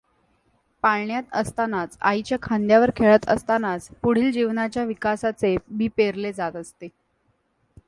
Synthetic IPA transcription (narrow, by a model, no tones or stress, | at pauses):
paɭɳjat̪əst̪anat͡sa̰it͡ɕjakʰand̪jaʋəɾkʰeɭət̪ə̰st̪anat͡spuɽ̤iːld͡ʑiʋnat͡ɕjaʋikasat͡sebipeɾled͡zat̪əst̪e